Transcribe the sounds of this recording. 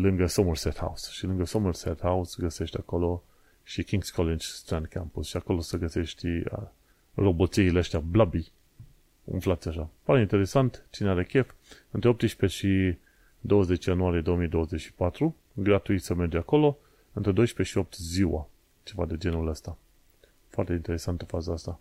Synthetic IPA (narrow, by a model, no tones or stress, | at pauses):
lɨŋɡəsomərset̪ha̰wusʃilɨŋɡəsomərset̪hausɡəse̞ʃt̪ʲako̞lo̞ | ʃikʲiŋɡskʰolind͡ʒst̪ɾãnd̪̚kʰampusʃiako̞lo̞səɡəse̞ʃt̪ʲ | ro̞bo̞t̪siileəst̪eablabi | ɨ̰nflat̪sʲaʃapaɾeint̪e̞ɾe̞sant̪t͡ʃineaɾe̞kʲefɨnt̪ɾeop̚t̪əʃpeʃi | d̪o̞wəze̞t͡ʃjanuaɾijed̪o̞omijd̪o̞wəze̞t͡ʃʃi̥pat̪ɾu | ɡɾat̪uit̪səme̞rd͡ʒako̞lo̞ | ɨnt̪ɾed̪o̞jʃpeʃio̞p̚t̪ziwa̰ | t͡ʃe̞vad̪e̞d͡ʒe̞nuləst̪a | foart̪eint̪e̞ɾe̞sant̪əfazəast̪a